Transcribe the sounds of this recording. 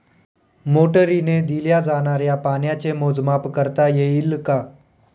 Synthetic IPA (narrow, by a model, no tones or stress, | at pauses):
moʈəɾined̪iljad͡zañaɾjapaɳjat͡semod͡zmapkəɾt̪ajeilka